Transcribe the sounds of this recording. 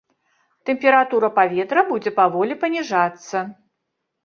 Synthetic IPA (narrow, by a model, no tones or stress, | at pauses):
t̪ɛmʲpʲɛɾat̪uɾɐpavʲɛt̪ɾɐbud͡zʲɛpavɔlʲipɐnʲiʐat̪sːɐ